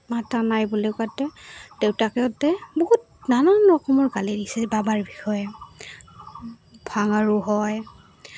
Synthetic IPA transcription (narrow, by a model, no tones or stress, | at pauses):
matanajbulekatːɛdewtakɛɔtɛboɦut̚ | nananɹɔkʰɔmɔɹkalidisɛbabaɹbixɔjɛ | bʱaŋaɹʊɦɔj